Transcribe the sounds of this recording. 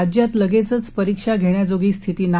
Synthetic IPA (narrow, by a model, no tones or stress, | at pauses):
d͡ʑjat̪ləɡet͡sət͡spəɾikʂaɡʱeɳjad͡zoɡiːst̪ʰit̪iːna